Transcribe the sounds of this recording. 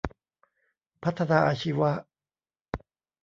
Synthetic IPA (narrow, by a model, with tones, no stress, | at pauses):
pʰa˦˥t̪ʰːa˧naː˧ʔa˧ɕʰi˦wa˦ʔ